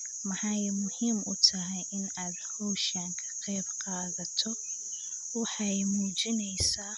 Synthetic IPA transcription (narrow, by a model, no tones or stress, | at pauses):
mɐħɑjmʊhiːmʊ̰t̪ʰɐɦɛjʔɪnaːd̪hɔːʃaːŋkʰɐ̥qɛːbqaːðɐt̪ʰɔ | wɑħɑjmuːt͡ʃɪnɛjsaː